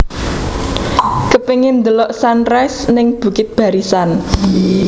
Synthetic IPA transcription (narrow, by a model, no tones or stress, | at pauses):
kəpeŋɪnd̪əlɔʔsanrɛsnɪŋb̥ṳkɪt̪̚b̥a̤ɾisan